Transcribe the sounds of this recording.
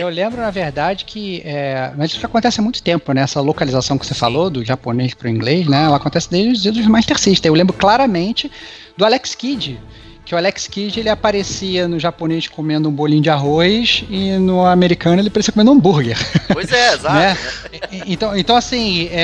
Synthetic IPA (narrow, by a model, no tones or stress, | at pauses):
ewlẽmbɾʊnɐveɾd̪ad͡ʒɪkʰɪɛmɐzɪkakõt̪ɛsɪamũj̃t̪ʊt̪ẽmpʊnɛɛsɐlokalizasɐ̃w̃kɪ̥sefa̰lod̪ʊʒaponeʃpɾʊĩŋɡlejʃnɛɛlɐakõt̪ɛsɪd̪ejʒd͡ʒɪʊzid̪ʊzmaʃt̪eɾsiʃt̪ɐewlẽmbɾʊklaɾɐmẽnt͡ʃɪ | d̪ʊalɛkskid͡ʒɪ | kɪʊalɛkskid͡ʒɪelɪapaɾesiɐnʊʒaponeʃkomẽnd̪ʊũbolĩɲ̃ʊd͡ʒɪaɦojʃɪnʊameɾikɐ̃nʊelɪpaɾesiɐkomẽd̪ũbuɾɡeɾojzɛezaanɛɛ | ẽt̪ɐ̃w̃ẽnt̪ɐ̃w̃asĩɛ